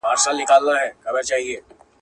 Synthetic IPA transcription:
aːɾsaːlnɪkaːlnaɦɛːkɐbat͡ʃaːɦieː

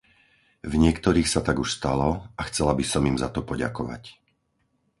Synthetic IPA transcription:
vɲɪɛkt̪ɔɾiːxsat̪aɡuʃst̪alɔaxt͡sɛlabisɔmiːmzat̪ɔpɔɟa̰kɔʋa̰c

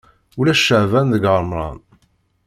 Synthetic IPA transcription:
ulæʃːəʕvænðəɡəɾˤmɾˤɑ̰n

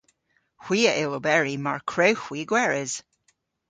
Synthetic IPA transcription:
hw̥iːəʔɪlˠobɛɹimaɹkʰɹɛwxwiɡwɛɹɪz̥

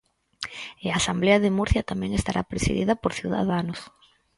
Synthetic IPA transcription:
ɪaːsambleɐðɪmuɾθjɐt̪amɛ̃ŋest̪aɾʔa̰pɾesḭðið̞ɐpoɾθjuwða̰ðanos

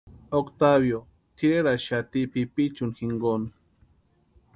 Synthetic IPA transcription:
okt̪aβjo | t̪ʰiɾeɾaʃat̪ipipit͡ʃʊnxiŋɡon

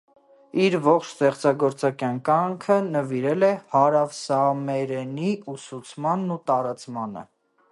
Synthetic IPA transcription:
iɾvɔχt͡ʃʰst̪ɛχt͡sɑɡɔɾt͡sɑkjɑnkɑŋkʰənəviɾɛlɛhɑɾɑvsɑmɛɾɛniusut͡sʰmɑnːut̪ɑɾɑt͡smɑnə̰

